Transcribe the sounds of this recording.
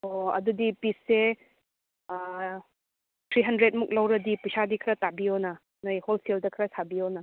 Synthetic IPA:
oɐ̰dudipisːe | t̪ʰɾiɦɐndɾet̚muk̚lawɾɐdipusadikʰɾɐtabionɐ | nojholseldɐkʰɾɐsabionɐ

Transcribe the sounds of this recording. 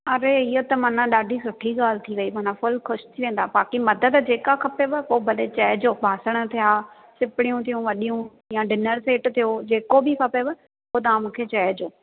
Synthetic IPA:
ɐɾeɪɦot̪ɐmãːnãɗaːɖʱisʊʈʰiɠaːl̤ɪt̪ʰiʋɐimaːnãfʊlxʊʃt̪ʰiʋẽːn̆d̪abaːkimɐd̪ət̪d͡ʑeːkakʰɐpebəpoːbʱɐlet͡ɕɐɦd͡ʑoːbʱaːsəɽ̃ət̪ʰijaː | sɪpɪɽ̃ijũt̪ʰijũʋɐɗijũ | jãɖɪnəɾseːʈt̪ʰijod͡ʑeːkobʱikʰɐpebɐ | poːt̪̬ɐãːmũːkʰet͡ɕɐɦd͡ʑoː

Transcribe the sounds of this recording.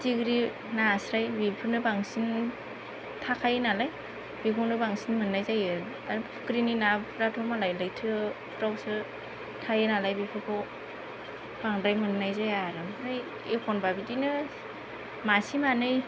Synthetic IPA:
tiɡɾi | nasɾajbipʰɯnɯbaŋsin | tʰakʰajɯnalaj | bikʰɔwnɯbaŋsinmɯnːajzajɯ | aɾpʰɯ̥kɾininaɾatʰɔmalajlɯjtʰɯ | tɔk̚sɯ | tʰajɯnalajbipʰɯkʰɔ | b̥aŋɾajmɯnːajzajaɾɯmɾaj | ekʰɔnbabitinɯ | masimanɯj

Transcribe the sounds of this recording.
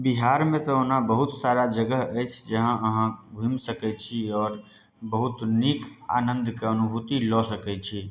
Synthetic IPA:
biɦaɾmẽt̪ɔonabəɦut̪saɾad͡ʒəɡəɦəjt͡ʃʰd͡ʒəɦãʔəɦãɡʱimsəkɛt͡ʃʰiɔːɾ | bəɦut̪nika̰nə̃nd̪ʱkeənubʱut̪ilɔsəkɛt͡ʃʰi

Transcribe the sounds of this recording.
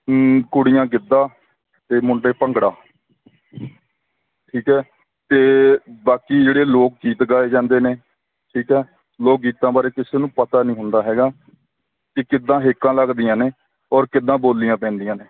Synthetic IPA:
kʊɽɪjãːɡɪd̪ːaː | t̪eːmʊɳɖeːpəŋɡɽaː | ʈʰiːkɦɛː | t̪eːbaːkiːd͡ʒeːɽeːloːk̚ɡiːt̪ɡaːeːd͡ʒãːnd̪eːneː | ʈʰiːkɦɛː | loːk̚ɡiːt̪ãːbaːɾeːkɪseːnũːpət̪aːnĩːɦʊnd̪aːɦɛːɡaː | kɪkɪd̪ːãːɦekːãːləɡd̪ɪjãːneː | ɔːɾkɪd̪ːãːboːlːɪjãːpɛ̃ːnd̪ɪjãːneː

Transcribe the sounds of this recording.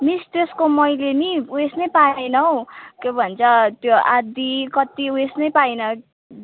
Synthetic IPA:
mist̪eskomʌjleniesnʌjpanʌwkebʱʌnt͡sʰʌt̪joad̪ikʌt̪iuesnʌjpajnʌ

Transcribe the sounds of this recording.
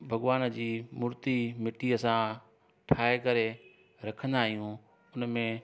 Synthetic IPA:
bʱɐɠʋaːnd͡ʑiːmʊɾt̪imɪʈiɐsã | ʈʰaːekɐɾe | ɾɐkʰə̃nd̪aːɦijũ | ʊnmẽ

